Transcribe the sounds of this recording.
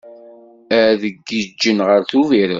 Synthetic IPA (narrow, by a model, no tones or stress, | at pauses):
æðəɡːəd͡ʒːənʁəɾθuviɾə̰